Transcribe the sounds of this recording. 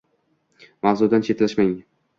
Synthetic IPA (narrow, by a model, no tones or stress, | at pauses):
mawzud̪ant͡ʃʰe̞t̪laʃmaŋ